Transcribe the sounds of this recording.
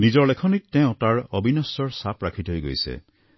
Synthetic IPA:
nid͡ʒɔɹlekʰɔnik̚teʊ̃taɹɔbʱinɔsɔɹsapɹakʰit̪ɔɦojɡojsḛ

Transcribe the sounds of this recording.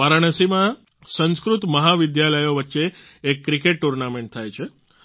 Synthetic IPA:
aɾaɳ̃əsimã | sə̃nskɾut̪məɦaʋɪd̪jaləjoʋətːʃe | ekːɾikeʈːuɾnamẽɳʈ̚t̪ʰajt͡ʃʰe

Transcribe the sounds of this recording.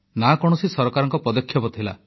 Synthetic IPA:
nakɔɽ̃ɔsisɔɾɔkaɾɔŋkɔpɔd̪ɔkʰjɔpɔt̪ʰila̰

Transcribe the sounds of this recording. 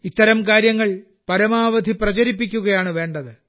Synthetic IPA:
it̪ːɐɾɐmk̬aːɾjɐŋːɐɭ | pɐɾɐmaːʋɐd̪ʱiprɐt͡ɕɐɾipːik̬ʲːuɣɐjaːɳɨʋe̞ːɳɖɐðɨ

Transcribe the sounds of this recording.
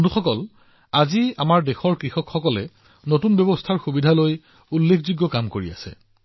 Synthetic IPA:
nduxɔkɔl | azia̰maɹdexɔɹkɹixɔkxɔkɔlɛ | notunbjɔbɔstʰaɹxubidʱaloj | ulːekʰzuɡːɔkamkoɹia̰sɛ̰

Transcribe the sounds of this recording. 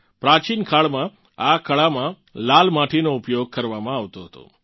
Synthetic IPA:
pɾat͡ʃinkʰaɭmã | akəɭamã | lalmaʈʰinoupjoɡ̚kəɾʋamãaʋt̪oɦət̪o̰

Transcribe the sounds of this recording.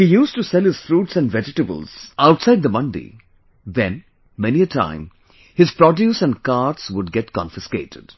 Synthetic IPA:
hijuːsʈusɛlˠhɪz̥fɾuːʈsɛ̃nɖvɛd͡ʒɪʈəbə̰lˠz̥aʊʈsaɪd̪̚d̪əmʌ̃ndḭ | ðɛ̃n | mɛniətʰã̰ɪ̃m | hɨzpɾɔdjusæ̃nkaːɾʈswʊɖ̚ɡɛʈkɔ̰̃nfɪskeːtʰɪ̰d̥

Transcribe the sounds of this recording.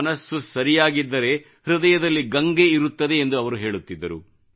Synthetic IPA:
nɐsːusɐɾijaːɡid̪ːɐɾe̞ | hɾud̪ɐjɐd̪ɐlːiɡɐŋɡe̞iɾut̪ːɐd̪e̞ːnd̪uɐʋɐɾuɦe̞ːɭut̪ːid̪ːɐɾṵ

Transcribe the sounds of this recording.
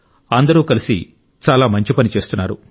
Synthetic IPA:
ɐnd̪ɐɾuːkɐlisḭ | t͡ʃaːlaːmɐɲt͡ʃipɐnit͡ʃe̞ːst̪unːaːɾṵ

